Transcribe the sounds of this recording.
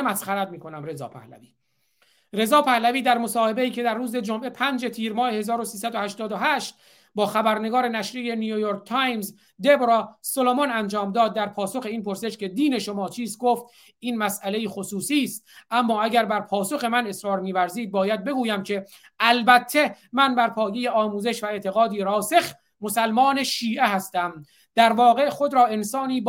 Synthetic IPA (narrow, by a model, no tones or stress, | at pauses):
mæsχæɾæd̪̚miːko̞næmɾe̞zɒ̰ːpʰæ̰hlæ̰viː | ɾe̞zɒːpʰæhlæviːd̪æɾmo̞sɒːhe̞be̞iːcʰe̞d̪æɾːuːze̞d͡ʒomʔe̞pʰænd͡ʒe̞t̪ʰiːɾmɒːhe̞he̞zɒːɾosiːsæd̪ohæʃt̪ɒːd̪oɦæːʃt̪̚ | bɒːxæbæɾne̞ɡɒːɾe̞næʃɾije̞nujujoːɾk̚t̪ʰɑjmz | d̪e̞bɾɒːsolomonænd͡ʒɒːmd̪ɒːd̪̚ːæɾpʰɒːso̞xe̞iːnpʰo̞ɾse̞ʃke̞d̪iːne̞ʃomɒːt͡ʃʰiːzɡoːft̪ | ʔiːnmæsæle̞jixosuːsiːst̪̚ʔæmːɒːæɟæɾbæɾpʰɒːso̞xe̞mæne̞sɾɒːɾmiːvæɾziːd̪̚bɒːjæd̪̚be̞ɡuːjæmcʰe̞ | ʔælbæt̪ʰːe̞mænbæɾpʰɒːje̞je̞ɒːmuːze̞ʃvæe̞t̪ʰe̞ɣɒːd̪iːɾɒːse̞x | mo̞sælmɒːne̞ʃiːʔeɦæst̪æm | d̪̥æɾvɒːɣe̞χo̞d̪ɾɒːe̞nsɒːniːb